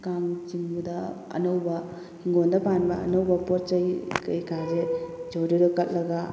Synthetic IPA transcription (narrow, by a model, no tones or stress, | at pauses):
kaŋt͡ʃiŋbudɐɐ̰nɐwbɐ | hiŋɡondɐpanbɐɐ̰nɐwbɐpɔɾt͡ʃɐjkɐjkazed͡ʒowɾiɾɔkɐt̚lɐɡa